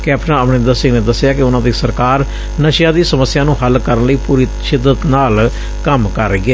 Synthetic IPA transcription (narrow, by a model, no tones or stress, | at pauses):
kɛːpʈəãəʋnɪ̃nd̪əɾsɪ̃ŋɡneːd̪əsːɪjaːkɪʊnãːd̪iːsəɾkaːɾ | nəʃjãːd̪iːsəməsːɪjãːnũːɦəlkəɾənləiːpuːɾiːʃɪd̪ːət̪naːl | kəmkəɾəiɡeː